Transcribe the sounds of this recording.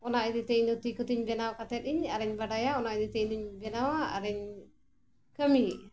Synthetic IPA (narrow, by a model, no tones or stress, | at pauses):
ɔnaʔid̪it̪ɛɲd̪ut̪ikɔt̪iɲbɛnawkat̪ɛt̪̚iɲaɾɛɲbaɖajaɔnaʔid̪it̪ɛɲd̪uɲbɛnawa̰ːɾɛɲ | kəmi